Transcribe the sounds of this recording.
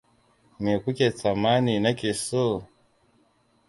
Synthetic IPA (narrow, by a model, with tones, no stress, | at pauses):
me˨ku˦ke˨t͡sa˨ma˦ni˨na˦ki˨so˦